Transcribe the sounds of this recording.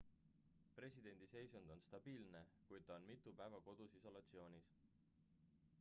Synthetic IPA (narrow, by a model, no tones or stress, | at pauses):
pre̞sʲid̪e̞nʲd̪̥ise̞jsund̪̥o̞nst̪ɑb̥iːlne̞kujd̪̥̚t̪ɑonmit̪ːˑupæevɑko̞d̪̥usiso̞lɑt̪sio̞ːnʲis